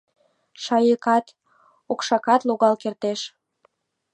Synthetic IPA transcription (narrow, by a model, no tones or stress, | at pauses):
ʃɑjəkɑt̪ | okʃɑkɑt̪luɣɑlkert̪eʃ